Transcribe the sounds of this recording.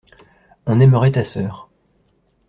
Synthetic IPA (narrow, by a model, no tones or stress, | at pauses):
ɔ̃nɛməʁɛt̪asœːʁ